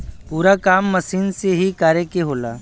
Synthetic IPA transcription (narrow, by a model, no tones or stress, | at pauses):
puːɾakaːmːəsiːnseɦikaːɾekeɦoːla̰ː